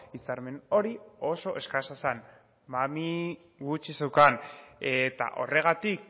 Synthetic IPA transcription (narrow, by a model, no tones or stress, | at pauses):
isaɾme̞no̞ɾio̞so̞ʔe̞skasasan | mami | ɣut͡ʃisewkanet̪a̰ʔo̞̰re̞ɣ̞at̪ik